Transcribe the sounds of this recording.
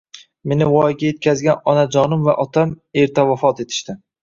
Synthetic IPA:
me̞nɪwɒjɡʲaje̞t̪̚kʲʰazɡʲanɒnad͡ʒɒnɪmvaʔɒt̪ʰameɾt̪ʰavafɒt̪e̞t̪ʰɪ̥ʃt̪ɪ

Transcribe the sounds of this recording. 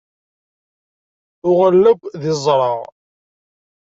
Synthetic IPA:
ʊʁəlːəɡʷðɪzˤɾˤɑʁ

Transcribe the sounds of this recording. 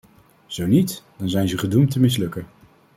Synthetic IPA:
z̥ownitd̥ɑnzɛjnzəχədumtəmɪs̬lɵkən

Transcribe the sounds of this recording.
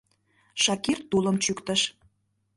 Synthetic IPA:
ʃɑkirt̪ːuləmt͡ɕykt̪əʃ

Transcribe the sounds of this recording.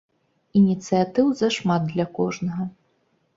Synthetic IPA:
inʲit̪sɨjat̪ɨwzɐʂmad̪̚d̪lʲɐkɔʐnɐɣɐ

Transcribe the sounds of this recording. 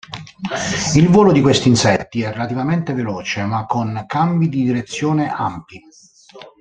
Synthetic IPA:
ilvɔːlod̪ikwest̪iːnsɛt̪ːiɛrːelat̪ivament̪evelɔːt͡ʃemakʰːoŋkambid̪id̪iɾet̪sːjɔːneʔa̰mpi

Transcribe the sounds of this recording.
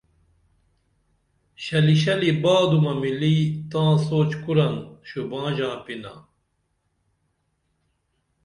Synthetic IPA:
ɕɐliɕɐlibaːd̪umɐmilit̪ãːsoːt͡ɕkuɾɐnɕubãːʑãːpina̰

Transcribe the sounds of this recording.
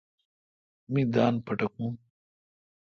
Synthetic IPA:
mid̪aːnpɐʈɐkũː

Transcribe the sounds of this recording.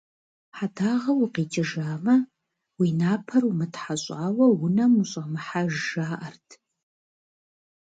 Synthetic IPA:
ħadʰaːʁɐwʊqiːt͡ʃʼɪʒaːmɐ | winaːpʰɐrumɨtħaɕʼaːwɐwʊnɐmuɕʼɐmɨħaʒʒaːʔɐrtʰ

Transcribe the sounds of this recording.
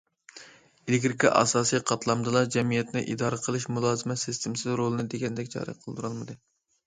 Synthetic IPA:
ilɡʲɾkʰʲɑʔɑ̰sɑːsijqʰɑt̪lˠɑmd̪ɨlˠɑd͡ʒɛmijɛt̪nɪʔḭd̪ɑːɾɨqʰəlˠɨʃmulˠɑːzɨmɛsɪst̪ʰɪmsɪzɾolˠɨnɨd̪eɡʲɛnd̪ɛkʲt͡ʃʰɑ̰ːɾɨ̰qʰəlˠd̪uɾɑlˠmɨd̪ɨ

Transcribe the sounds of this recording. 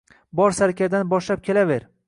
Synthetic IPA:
bɒɾsaɾkʲʰad̪anbɒʃlap̚kʲʰelaveɾ

